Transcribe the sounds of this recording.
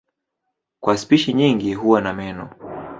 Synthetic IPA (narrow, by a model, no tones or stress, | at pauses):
kwaspiʃiɲiŋɡiɦuwanamɛnɔ